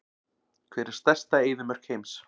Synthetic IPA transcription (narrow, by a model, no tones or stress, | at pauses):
kʰvɛːɾɪ̥st̪ɛst̪aeːjðʏmœɾ̥kʰejms